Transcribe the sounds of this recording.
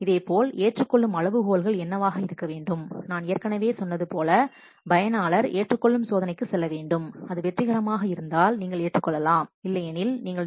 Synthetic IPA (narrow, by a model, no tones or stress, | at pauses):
ɪðeːpoːleːʈrɯkːɔɭːɯmɐɻɐʋɯɣoːlɣɐɭɛnːɐʋaːɣɐɪɾɯkːɐʋeːɳɖɯmnaːnɪjɐɾkɐɳɐʋeːsɔnːɐðɯpoːlɐ | bɐjɐnaːlɐɾeːʈrɯkːɔɭːɯmsoːðɐnɐɪkːɯsɛlːɐʋeːɳɖɯmɐðɯʋɛʈrɪɣɐɾɐmaːɣɐɪɾɯnd̪aːlniːŋɡɐɭeːʈrɯkːɔɭːɐlaːmɪlːɐɛnɪlniːŋɡɐɭ